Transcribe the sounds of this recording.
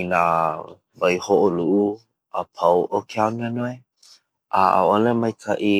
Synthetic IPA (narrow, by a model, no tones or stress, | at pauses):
ina | vajhoʔoluʔu | apʰawʔokʰeananoe | ʔa̰a̰olemajkʰaʔi